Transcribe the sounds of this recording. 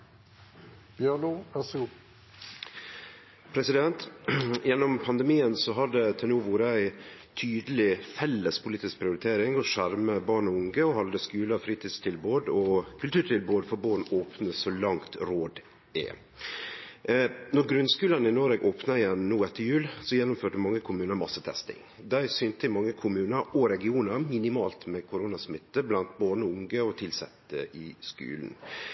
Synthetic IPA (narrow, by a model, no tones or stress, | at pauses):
b̥jœnuʋɑsɡu | pʰɾɛsɪd̪ɛnt̪jɛnːɔmpʰɑnd̪ɛmiːənsɔɦɑd̪ɛt̪ʰɪlnuːʋuːɾəæɪt̪ʰyːd̪əlɪfɛlːəspʰʊliːt̪ɪsk̚pʰɾɪʊɾɪt̪ʰeːɾɪŋɔʂæɾməbɑːɳɔʊŋɡəɔhɑld̪əskʉːləfɾiːt̪ʰiːd̪st̪ʰɪlboːd̪ɔkʰʉlt̪ʉːʈʰɪlboːd̪fɔɾboːɳoːpnəsɔlɑŋt̪ɾoːd̪ | ɛ̰ | nɔɾɡɾʉnskʉːlənɪnoɾɛːɡʔoːpnəɪɛnnuːɛt̪ːəjʉːlsɔjɛnːʊmføːʈəmɑŋːəkʰʊmʉːnəɾmɑsət̪ʰɛ̰st̪ɪ̰ŋ | d̪æɪsʏːnt̪əɪmɑŋːəkʰʊmʉːnəɾɔɾɛɡɪuːnəɾmɪnɪmɑːlt̪mɛkʰʊɾuːnɑsmɪt̪ːəblɑnt̪bɑːɳɔʊŋɡəɔt̪ʰɪlsɛt̪ːə̰ʔɪskʉ̰ːln̩